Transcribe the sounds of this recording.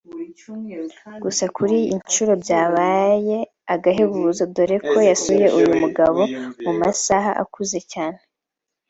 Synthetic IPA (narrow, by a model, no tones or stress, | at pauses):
ɡ̥usakuɾiint͡ʃuɾo̞bjaːβaːje̞ | aɡaɦeβuβuzob̚do̞ɾe̞kʰo̞jasuje̞ʔujumuɡaβo̞mumasaɦaʔa̰kuze̞caːne̞